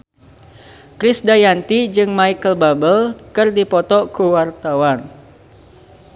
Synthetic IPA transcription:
kɾisdajant̪id͡ʒɨŋmaikəlbabəlkɨrdipɔt̪ɔkuwart̪awan

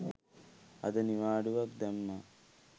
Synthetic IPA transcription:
ɐ̰d̪ɐniʋaːɖuʋɐk̚d̪ɐmːɐ

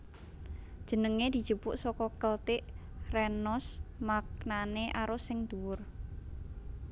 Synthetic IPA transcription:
d̥ʒ̥ə̤nəŋed̪̥i̤̥d͡ʒ̥upʊʔsɔkɔkəlt̪ɪʔrɛnɔsmaknaneʔaɾʊsɪŋd̪̥uwʊr

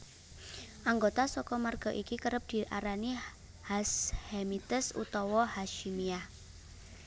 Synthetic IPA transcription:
ʔaŋɡot̪asɔkɔmarɡ̥ɔ̤ʔikikəɾəp̚d̪̥i̤ʔaɾani | hashemit̪əsṵt̪ɔwɔhaʃimiah

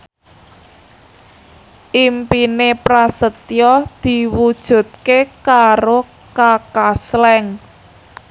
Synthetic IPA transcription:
ʔimpinepɾasət̪jɔd̪̥i̤wud̥ʒ̥ṳt̪̚kekaɾo | kakaslɛŋ

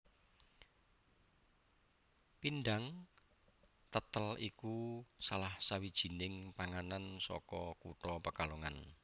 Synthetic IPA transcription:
pinɖaŋ | t̪ət̪əlikusalahsawid̥ʒ̥i̤nɪŋpaŋanansɔ̰kɔkṵʈɔpəkaluŋan

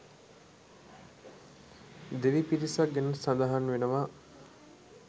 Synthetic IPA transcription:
d̪eʋipiɾisak̚ɡenəsad̪aɦanʋenəʋa

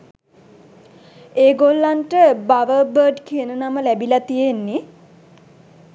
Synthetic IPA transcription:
eːɡolːanʈəbaʋəbəːɖkiənənaməlæbilat̪ijenːi

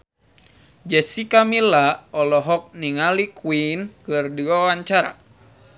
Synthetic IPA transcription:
d͡ʒɛsikamilaɔlɔɦɔk̚niŋalikwinkɨrduawaɲt͡ʃaɾa̰

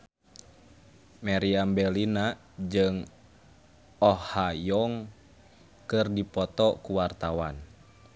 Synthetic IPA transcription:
maɾiambɛlina | d͡ʒɨŋ | ɔhajɔŋ | kɨrdipɔt̪ɔkuwart̪awan

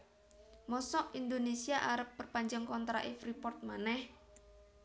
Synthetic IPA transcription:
mɔsɔʔind̪onesiaʔaɾəpːərpaɲd͡ʒaŋkɔnt̪ɾa̰ʔɪfripɔrt̪̚manɛh

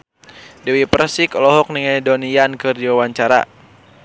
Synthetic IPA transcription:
dɛwipɾasikɔlɔɦɔk̚niŋajdɔnijankɨrdiwawaɲt͡ʃaɾa̰

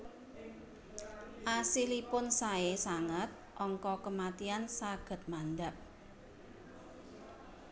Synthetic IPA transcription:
ʔasilipʊnsaesaŋət̪̚ʔɔŋkɔkəmat̪iansaɡ̥ə̤t̪̚mand̪ap̚

